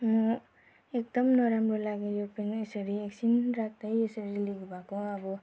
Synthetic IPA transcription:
mɔ | ek̚d̪ʌmnɔɾambʌɾlaɡejopenesʌɾieksinɾak̚ʰd̪ʌjesʌɾiliɡbakɔabɔ

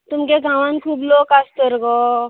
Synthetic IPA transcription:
t̪ʊmkeɡʱaʋənkʰuːbloːkast̪əɾɡo

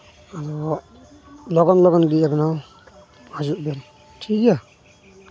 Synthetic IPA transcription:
aɾɔ | lɔɡɔnlɔɡɔnɡiabɛnaw | azuʔbɛɾ | tʰikja

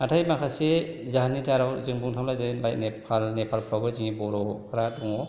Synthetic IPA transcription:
atʰajmakʰasezaɦanitʰaɾawzinbuŋtʰamlajdajlajt̚nepʰalnepʰalpʰawɡaziŋibɔɾɔpʰaɾadɔŋɔ

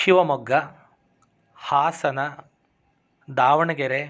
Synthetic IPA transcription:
ʃiʋɐmɔɡːɐ | haːsɐnɐ | d̪aːʋɐɳɐɡeɾe

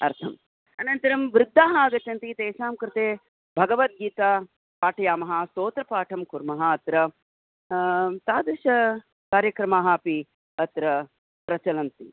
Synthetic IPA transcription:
ɐ̰ɾt̪ʰɐm | ɐnɐnt̪ɐɾɐmʋɾɪd̪ʱːaːɦaːɡɐt͡ʃɐnt̪it̪eːʃaːmkɾɪt̪eː | bʱɐɡɐʋɐt̪̚ɡiːt̪aː | paːʈʰɐjaːmɐɦasoːt̪ɾɐpaːʈʰɐmkuɾmɐɦɐɐt̪ɾɐ | t̪aːd̪ɾɐʃɐ | kaːɾjɐkɾɐmaːɦaːpi | ɐt̪ɾɐ | pɾɐt͡ʃɐlɐnt̪i

